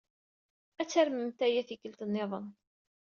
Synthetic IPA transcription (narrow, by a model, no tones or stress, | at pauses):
æt͡sːæɾməmt̪æjæθikəlt̪ənːeðˤən